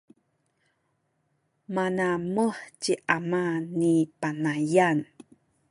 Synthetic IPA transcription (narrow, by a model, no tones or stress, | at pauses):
manaməħt͡ɕiʔamanipanajan